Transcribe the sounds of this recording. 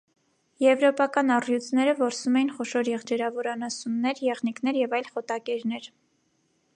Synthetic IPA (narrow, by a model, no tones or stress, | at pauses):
jɛvɾɔpɑkɑnɑrjut͡sʰnɛɾəvɔɾsumɛjinχɔʃɔɾjɛʁd͡ʒɛɾɑvɔɾɑnɑsunːɛɾjɛʁniknɛɾjɛvɑjlχɔt̪ɑkɛɾnɛɾ